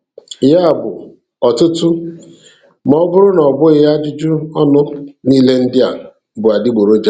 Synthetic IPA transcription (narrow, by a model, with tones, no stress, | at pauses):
ja˦˨bʊ˨ | ɔ˨tʊ˦tʊ˦ | m˦ɔ˦bʊ˦ɾʊ˦nɔ˨bʊ˦ɣɪ˦ja˦d͡ʒʊ˦d͡ʒʊ˦ɔ˦nʊ˦niː˦le˦n̩˦dɪ˦a˨ | bʊ˨a˨dɪ˦ɡ͡bo˨ɾo˦d͡ʒa˦